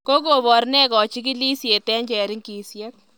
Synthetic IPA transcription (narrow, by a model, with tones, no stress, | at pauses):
ko˦k̬o˨βɔ˨ɾnɛ˦kɔ˨t͡ʃi˦k̬i˦li˦sje˨tɛ˦ɲt͡ʃɛ˨ɾɪ˦ŋki˨sjɛ˦k̚